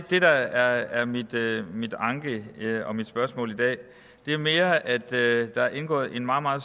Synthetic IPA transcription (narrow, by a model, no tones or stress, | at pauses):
ɡ̥̚d̥e̝d̥ɑ̈æɐæɐmid̥mid̥ɑ̈ŋɡ̥əɒ̽mid̥sb̥ɶɐsmɔ̰̽ːlid̥ɛ̰ː | d̥e̝æɐme̝ːɐæd̥d̥ɑ̈æɐʔe̝nɡ̥ɔ̰̽ːð̩ˠe̝nmɑ̈ːmɑ̈ːð̩ˠ